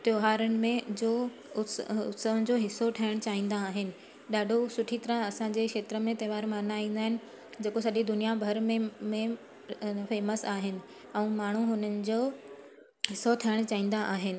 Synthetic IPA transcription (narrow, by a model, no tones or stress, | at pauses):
t̪joːɦaːɾənɪ̆mẽd͡ʑoː | ʊsʊt̪səʋənɪ̆d͡ʑoːɦɪsːoʈʰɐjəɽ̃t͡ɕaːĩːn̆d̪aːɦɪnɪ̆ | ɗaːɖʱosʊʈʰit̪ɐɾãɐsãd͡ʑeːkʃeːt̪ɾəmẽt̪ɐːʋaːɾmaːnaːĩːnd̪aːɦɪnɪ̆ | d͡ʑeːkosɐʄid̪ʊnijabʱɐɾmẽmẽ | feːməsaːɦɪnɪ̆ | ɛ̃ːmaːɳ̤uɦʊnənɪ̆d͡ʑoː | ɦɪsoʈʰɐjəɽ̃t͡ɕaːĩːn̆d̪aʔaːɦɪnɪ̆